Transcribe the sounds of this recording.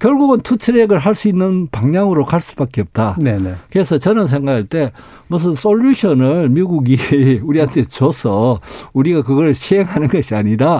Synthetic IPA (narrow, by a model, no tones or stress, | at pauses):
kjʌɭɡuɡɯntʰut͡ɕʰɯɾeɡɯɭɦaɭs͈uinːɯnpaŋɲaŋɯɾokaɭs͈u̥bak͈eʌp̚t͈anenekɯɾesʰʌt͡ɕʌnɯns̬ʰe̞ŋɡakʰaɭt͈e̞ | mʌs̬ʰɯnsʰoʎːuɕʰʌnɯɭmiɡuɡiuɾiɦantʰe̞t͡ɕosʰʌuɾiɡakɯɡʌɾɯɭɕʰiɦeŋɦanɯnɡʌɕʰiaɲiɾa